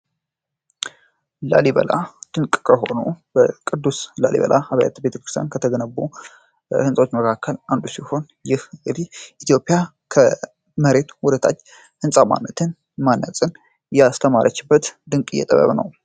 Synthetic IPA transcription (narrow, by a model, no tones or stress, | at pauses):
la̰liβə̰la̰d̪̥ɨŋkʼkʰəɦo̞nubəkʼɨd̪ːusla̰lḭβə̰lʔa̰haβaja̰t̪be̞t̪ʰəkɾɨst̪ʰjankʰət̪ʰəɡənəbːu | hɨnsʼawot͡ʃːməkʰakʰːəland̪usiho̞n | jɪhŋɨd̪iʔit̪jo̞pʼɪja | kʰə | məɾe̞t̪wʊd̪ət̪ʰa̰t͡ʃː | hɨnsʼama̰nːət̪ʰɨn | manːəsʼɨn | jɛast̪ʰəmaɾʔə̰t͡ʃːɪbːət̪d̪ɨŋkʼɪjɛ̰t̪ʼə̰βə̰βnə̰w